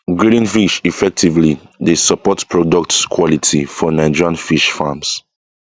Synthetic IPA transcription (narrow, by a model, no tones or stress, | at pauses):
ɡɹiɾĩnfiʃifɛk̚tʰivlidesəpɔtpʰɹɔdɔk̚tskʰwɔlitʰifɔnãd͡ʒiɹãnfiʃfams